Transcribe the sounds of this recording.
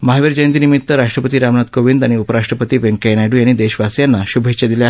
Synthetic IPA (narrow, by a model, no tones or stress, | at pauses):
maɦaʋiɾd͡ʑəjənt̪inimit̪ːəɾaʂʈɾəpət̪iːɾamnat̪koʋind̪aɽ̃iupəɾaʂʈɾəpət̪iːʋeŋkɛnaɖuːjaɽ̃id̪eɕʋasjanːaɕubʱet͡ɕad̪ilja